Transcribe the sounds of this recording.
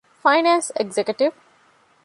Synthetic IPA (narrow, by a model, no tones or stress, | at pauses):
faɪnãnseɡzekjuʈiʋ